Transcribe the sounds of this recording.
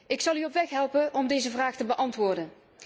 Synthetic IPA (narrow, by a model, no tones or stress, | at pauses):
ɪksɑlˠyɔpʋɛxɦɛlˠpəʔɔmdejzəvraːxtəbəʔɑntʋʊːɹdən